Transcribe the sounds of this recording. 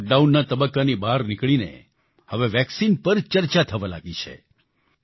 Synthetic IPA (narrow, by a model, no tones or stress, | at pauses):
k̚ɖaunːat̪əbəkːanibaɾnikɭinḛ | həʋeʋɛksinpəɾt͡ʃəɾt͡ʃat̪ʰəʋala̰ɡit͡ʃʰḛ